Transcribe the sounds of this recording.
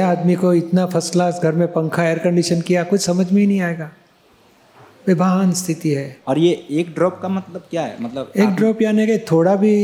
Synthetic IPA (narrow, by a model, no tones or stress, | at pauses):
aːd̪mikoɪt̪napʰɐslaːsɡʱɐɾmẽpɐ̃ŋkʰaɛjəɾkɐ̃ɳɖiʃənkijakʊt͡ʃʰsɐməd͡ʒʱmẽɦinɐɦĩaːeːɡaː | ʋɪbʱaːnst̪ʰɪt̪iɦɛːɔːɾjeeːkɖɾɔːp̚kamɐt̪ləb̚kjaɦɛ̰mɐt̪ləbeːkɖɾɔːpjaːneket̪ʰoːɽabʱi